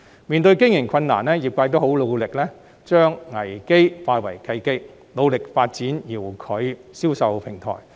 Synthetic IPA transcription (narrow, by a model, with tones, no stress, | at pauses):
miː˨nt̪ɵ˧ɥkɪ˥ŋjɪ˨˩ŋkʰɐ˧nna̰ː˨˩nlɛː˥jiː˨p̚kaː˧jt̪o˥who˨˥wlo˨˧wlɪ˨k̚lɛː˥ | t͡ʃœː˥ŋːɐ˨˩jke˥jfaː˧jwɐ˨˩jkʰɐ˧jke˥k̚ | lo˨˧wlɪ˨k̚faː˧t̚t͡siː˨˥njiː˨˩wkʰɵ˨˧ɥsiː˥wsɐ˨wpʰɪ˨˩ŋt̪ʰɔ̰ː˨˩j